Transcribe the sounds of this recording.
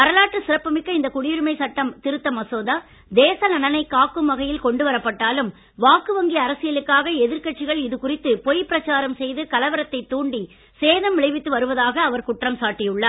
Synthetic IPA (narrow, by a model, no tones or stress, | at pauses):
pɐɾɐlaːʈːrɯsɪɾɐpːɐmɪkːɐɪnd̪ɐkʊɽɪjɪɾɯmɐɪsɐʈːɐmt̪ɪɾɯt̪ːɐmɐsoːða | d̪eːsɐnɐnɐnɐɪkaːkːɯmʋɐɣɐjɪlkɔɳɖɯʋɐɾɐpːɐʈːaːlɯm | ʋaːkɯʋɐŋɡiɐɐɾɐsɪjɐlɯkːaːɣɐɛðɪɾkɐʈ̚t͡ʃːɪɣɐɭɪðɯkʊrɪt̪ːɯpɔjpːɪɾɐt͡ʃːaːɾɐmsɛjðɯkɐlɐʋɐɾɐt̪ːɐɪt̪ːuːɳɖi | seːðɐmʋɪɭɐɪʋɪt̪ːɯʋɐɾɯʋɐðaːɣɐːʋɐɾkʊʈrɐmsaːʈːɪjɯɭːɐ